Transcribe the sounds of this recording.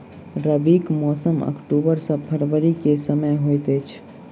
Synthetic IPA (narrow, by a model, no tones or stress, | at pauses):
ɾəbikmɔsəmə̰kʈubəɾsə̃pʰəɾʋəɾikesəməjɦojt̪ət͡ʃʰ